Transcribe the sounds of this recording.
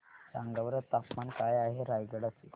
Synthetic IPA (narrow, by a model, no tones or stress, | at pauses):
ɾaŋɡaʋəɾət̪ːapmankajaɦeɾajɡəɽase